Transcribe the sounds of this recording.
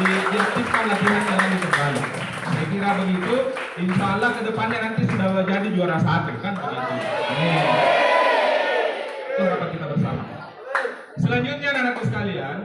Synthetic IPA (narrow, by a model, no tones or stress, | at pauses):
idiak̚t̪ifkanlat̪iɦandalandikət̪bajḭk | sajakiɾabəɡit̪u | inʃalahkədəpanɲanant̪isudad͡ʒadid͡ʒuaɾasaːt̪ukanbəɡat̪ua̰ni | kanbapat̪̚kit̪abərsa̰ma̰ | səlaɲd͡ʒut̪̚ɲananakusə̥kalian